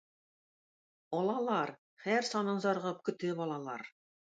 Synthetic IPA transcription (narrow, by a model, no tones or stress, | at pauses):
ɒlˠɑlˠɑɾ | χæɾsɒnɤɴzɑɾʁɤp̚kɵ̆t̪ɘbɒlˠɑlˠɑɾ